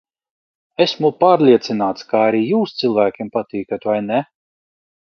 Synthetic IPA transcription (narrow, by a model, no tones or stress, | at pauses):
esmupaːɾlʲiɛt̪sinaːt̪skaaɾijuːst̪silˠvæːkʲimpat̪iːkat̪vajnɛ